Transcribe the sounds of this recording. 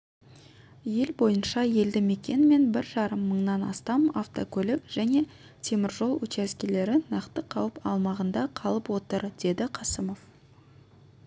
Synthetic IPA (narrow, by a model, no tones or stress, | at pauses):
je̞lbo̞jənʃɑje̞ld̪ɪme̞kʲe̞nme̞nbɪɾʒɑɾəmːəɴnɑnɑ̰st̪ɑmaft̪okʲʰɵlɪkʒ̥æne̞ | t̪ʲʰe̞mɪɾʒo̞lˠwɵt͡ʃæskʲele̞ɾɪnɑqt̪əqʰɑwəpɑ̰lˠmɑʁənd̪ɑqʰɑlˠəpwo̞t̪əɾd̪̥e̞d̪ɪqʰɑsəmo̞v̥